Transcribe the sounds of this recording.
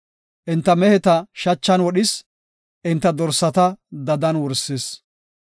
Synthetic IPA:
ʔɪnt̪ːɐmɛhɛt̪ɐʃɐt͡ʃːɐnwɔɗɪs | ʔɪnt̪ːɐd̪ɔɾsːɐt̪ɐd̪ɐd̪ɐnwɔɾses

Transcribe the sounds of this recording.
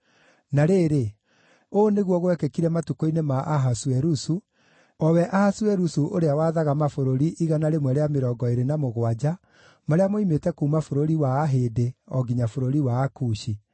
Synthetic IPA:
naɾeːɾe | oːneɣwɔɣwɛkɛkiɾɛmatukoinemaʔaɦaswɛɾusu | ɔwɛʔahaswɛɾusuʔoɾeawaðaɣamafoɾoɾiʔiɣanaɾemwɛɾeameɾɔɡɔeɾenamoɣwad͡ʑa | maɾeamoimetɛkuumafoɾoɾiwaːɦeːdeɔɡiɲafoɾoɾiwaːkuɕi

